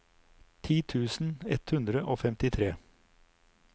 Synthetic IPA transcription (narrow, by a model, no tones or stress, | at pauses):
t̪ʰiːt̪ʰʉːsn̩ɛt̪hʉnd̪ɾəʔoːfɛmt̪ɪt̪ʰɾeː